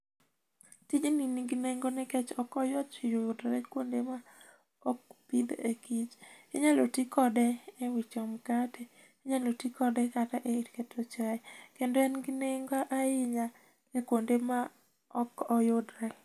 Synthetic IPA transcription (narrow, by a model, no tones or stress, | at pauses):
tid͡ʒininiɡineŋɡonɛkɛt͡ʃɔkɔjɔtt͡ʃijʊjʊdɾɛkwondema | ɔkpid̪ekit͡ʃɪ̰ɲalotikɔdɛɛwit͡ʃɔmkatʰɛ | eɲalotikɔdɛkataʔeiɾketʰot͡ʃakendɔɛnɡineŋɡoaʔaɪɲa | ekwondema | ɔkɔjʊdɾɛ